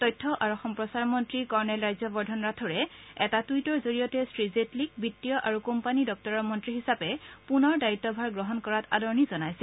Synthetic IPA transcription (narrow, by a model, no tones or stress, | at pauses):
tɔjtʰːɔʔaɹuxɔmpɹɔsaɹmɔntɹikɔɹɔnɛlɹajzɔbɔɹdʱɔnɹatʰɔɹɛɛtatujtɔɹzoɹijɔtɛstɹizetlikbitːijɔʔaɹukompanidɔk̚tɔɹɔmɔntɹiɦisapɛpunɔɹdaitːɔbʱaɹɡɹɔɦɔnkɔɹata̰dɔɹnizɔnajsɛ